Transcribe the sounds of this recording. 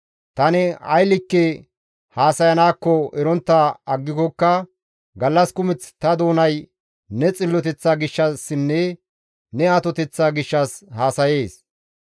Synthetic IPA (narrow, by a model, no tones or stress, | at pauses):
t̪ɐnɛɐ̰jlɪkːɛ | haːsɐjɐnaːkːɔɛɾɔnt̪ːaɐɡːɪkɔkːɐ | ɡɐlːɐskʊmɪt͡st̪ɐd̪o̞ːnɐj | nɛt͡sʼɪlːɔt̪ɛt͡sːaːɡɪʃːɐsːɪnːɛ | nɛaːt̪ɔt̪ɛt͡sːaːɡɪʃːɐshaːsɐje̞ːs